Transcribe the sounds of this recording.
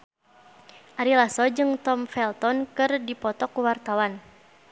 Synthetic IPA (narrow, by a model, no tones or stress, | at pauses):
ʔaɾilasɔd͡ʒɨŋt̪ɔmfɛlt̪ɔnkɨrdipɔt̪ɔkuwart̪awan